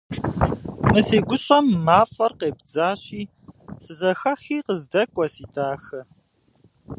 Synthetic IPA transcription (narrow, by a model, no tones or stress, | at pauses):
mɨseːɡʷʊɕʼɐmːaːfɐrqeːbd͡zaːɕiː | sɨzɐxɐxiːqəzdɐkʷʼɔsiːtʰaːxɐ